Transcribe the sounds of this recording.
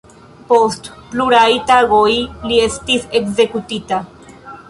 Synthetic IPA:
po̞st | pluɾajtaɡo̞jlie̞stisekze̞kutita

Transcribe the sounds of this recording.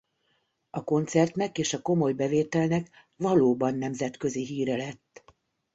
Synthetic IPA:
ɒko̞nt̪sɛrt̪nɛkeːʃɒko̞mo̞jbɛveːt̪ɛlnɛk | vɒloːbɒnːɛmzɛt̪kø̞ziɦiːɾɛlɛt̪ː

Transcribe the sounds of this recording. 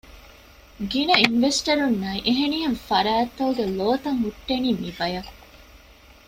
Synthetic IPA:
ɡinɐinʋesʈɐɾunːɐiʔeɦeniɦenfɐɾæːt̪ːɐuɡeloːt̪ɐŋɦuʈːeniːmibɐjɐ

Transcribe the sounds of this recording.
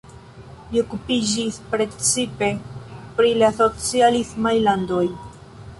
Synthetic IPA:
lio̞kupid͡ʒispɾe̞t͡sipe̞pɾilaso̞t͡sialismajlando̞j

